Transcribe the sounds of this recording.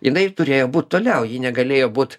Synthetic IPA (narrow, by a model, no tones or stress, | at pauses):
jɪnɐɪt̪ʊɾʲeːjoːbuːt̪̚t̪oːlʲɛʊjiːnʲɛɡɐlʲeːjoːbuːt̪